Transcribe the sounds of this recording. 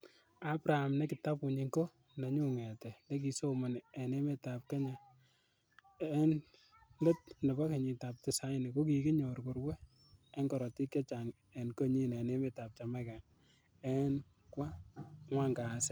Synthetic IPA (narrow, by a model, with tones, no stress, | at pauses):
a˦bɾa˨ha˨mnɛ˦kɪ˨ta˦pu˨ɲi˧ŋko˦ | na˨ɲu˦ŋɛ˨tɛ˨ne˦k̬i˨so˦mo˨n˨ɛ˨ne˦me˦ta˨p̚ke˦ɲa˨ | ɛ˦n | le˦t̚ne˨ba˦ke˨ɲi˨ta˨p̚tɪ˨sa˦ɪ˦ni˨ko˦ki˨kɪ˦ɲo˨ɾku˨ɾwɛ˦ | ɛ˦ŋkɔ˨ɾɔ˨ti˦kɛ˦t͡ʃa˨ŋ | ɛ˨nko˦ɲi˦nɛ˨ne˦me˦˨ta˨p̚t͡ʃa˨ma˦ka˨ŋ | ɛ˦n | kwa˦ŋwa˦ŋɡa˨sɛ˦